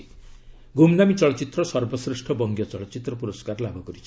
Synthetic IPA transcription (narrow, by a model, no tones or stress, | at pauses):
ɡumnamit͡sʌɭʌt͡sit̪rʌsʌrbʌsrisʈʰʌbʌŋɡjʌt͡sʌɭʌt͡sit̪rʌpuɾɔskarlabʱʌɡuɾit͡sʰ